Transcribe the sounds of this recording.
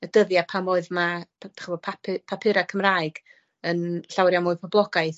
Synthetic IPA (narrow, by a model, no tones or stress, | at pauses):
ədəðjapʰamʊɨðmadḁχəvɔpʰapʰɪpʰapʰɪɾakʰəmraːɨɡ̥ | ənɬawrjamʊɨpʰɔblˠɔɡaɨθ